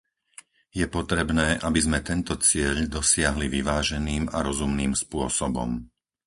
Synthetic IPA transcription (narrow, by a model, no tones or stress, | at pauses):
jɛpɔt̪ɾɛbnɛːʔabizmɛt̪ɛnt̪ɔt͡sɪɛʎd̪ɔsɪaɦliʋiʋaːʒɛniːma̰ɾɔzumniːmspʊɔsɔbɔ̰m